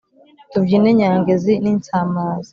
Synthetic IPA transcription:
tubɟiːneɲaːŋɡeziniːnt͡samaːza

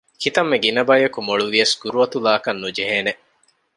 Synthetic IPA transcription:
kit̪ɐmːeɡinɐbɐjɐkumoɭuʋiɐsɡuɾuɐt̪ulaːkɐnːud͡ʒeɦeːne

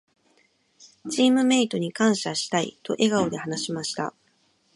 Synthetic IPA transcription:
t͡ɕiːmɯ̟me̞it̪o̞ɲ̟ikãɰ̃ɕaɕi̥t̪aḭt̪o̞̰ʔe̞ɡao̞d̪e̞hanaɕimaɕi̥t̪a̰

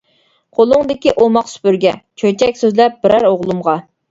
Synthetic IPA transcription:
qʰolˠʊŋd̪ɪkʲiʔomɑqsy̥pyɾɡʲɛ̰t͡ʃʰøt͡ʃʰɛkʲsøzlɛp̚b̥ɪɾæɾoʁlˠumʁɑ

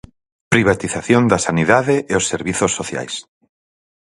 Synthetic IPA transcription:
pɾiβ̞at̪iθaθjõnd̪ɐsaniðaðeʔeosːeɾβiθosːoθja̰js

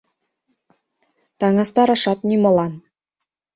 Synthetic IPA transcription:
t̪ɑŋɑst̪ɑɾɑʂɑt̪nʲimŏlˠɑn

